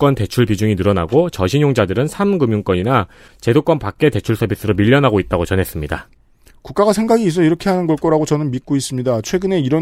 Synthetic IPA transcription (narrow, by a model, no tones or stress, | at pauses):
k͈wʌnte̞t͡ɕʰuɭbid͡ʑuŋinɯɾʌna̰ɡot͡ɕʌɕʰiɲjoŋd͡ʑadɯɾɯnsʰamɡɯmjuŋk͈ʌɲina | t͡ɕe̞dok͈ʌnpak̚k͈e̞te̞t͡ɕʰuɭsʰʌbis͈ʰɯɾomiʎːʌnɦaɡoit̚t͈aɡot͡ɕʌnɦe̞s͈ɯmɲida | kuk͈aɡasʰe̞ŋɡaɡiːs̬͈ʌiɾʌkʰeɦanɯnɡʌɭk͈ʌɾaɡot͡ɕʌnɯnmit̚k͈ois͈ɯmɲidat͡ɕʰwe̞ɡɯne̞iɾʌ